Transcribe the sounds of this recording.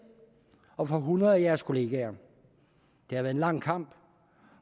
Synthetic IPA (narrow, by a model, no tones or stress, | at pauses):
ɒ̽fɒ̽ɦunɐð̩ˠæjæɐskʰo̝le̝ːɡ̥æɐ | d̥ehæʋæɐenlɑ̈ŋ̰kʰɑ̈m̰b̥